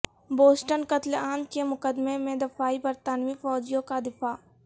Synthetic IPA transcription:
boːsʈənkət̪lãːnd̪kemʊkəd̪memẽd̪ɪfaːibɐɾt̪aːnwifɔːd͡ʒijõkad̪ɪfaː

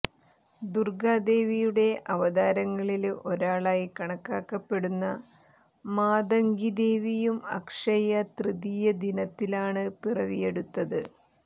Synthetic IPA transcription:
d̪urɡaːd̪e̞ːʋijuɽe̞ʔɐʋɐd̪aːɾɐŋːɐɭilʔo̞ɾaːɭaːjikɐɳɐkːaːkːɐpːe̞ɽunːɐ | maːd̪ɐŋɡid̪e̞ːʋijumɐ̰kʂɐjɐt̪rɨðijɐd̪inɐt̪ːilaːɳɨpirɐʋije̞ɽut̪ːɐðɨ

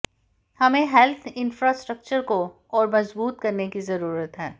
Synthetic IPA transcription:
hɐmẽɦɛlt̪ʰɪ̃nfɾaːsʈɾək̚t͡ʃəɾko | ɔːɾmɐzbuːt̪̚kɐɾnekizɐɾuːɾət̪ɦɛː

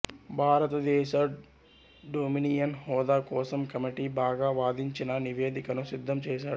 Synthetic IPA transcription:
bʱaːɾɐt̪ɐd̪ɛːʃɐ | ɖoːminiːjɐnhɔːd̪aːkɔːsɐmkɐmiʈiːbaːɡaːʋaːd̪iɲt͡ʃinɐniʋe̞ːd̪ikɐnusid̪ʱːɐmt͡ʃɛːʃaːɽu

